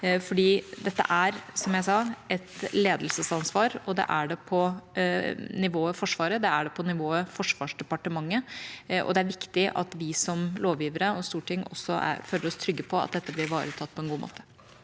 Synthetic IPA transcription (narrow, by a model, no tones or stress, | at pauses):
fɔɖiːd̪ɛt̪ːə̰ʔæɾsɔmjæɪsɑːɛt̪leːd̪l̩səsɑnsʋɑːɾɔd̪ɛ̰ʔæɖɛpʰɔ | nɪʋoːəfɔʂʋɑːɾəd̪ɛæɖɛpʰɔnɪʋoːəfɔʂʋɑːʂd̪ɛpɑʈəmɑŋːəʔɔ̰d̪ɛæɾʋɪkt̪ɪʔɑ̰t̪ʋɪsɔmloːʋjiːʋəɾəɔst̪uːʈʰɪŋːɔ̰sːɔʔæ̰ɾføːləɾɔst̪ʰɾʏɡːəpʰɔɑ̰t̪̚d̪ɛt̪ːəblɪɾʋɑːɾət̪ʰɑt̪̚ːpʰɔɛnɡuːmo̰ːt̪ə̥